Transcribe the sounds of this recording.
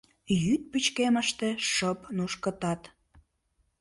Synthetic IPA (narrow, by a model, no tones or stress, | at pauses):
jyt̪̚pyt͡ɕkeməʃt̪e̽ʃəpnuʃkət̪ɑt̪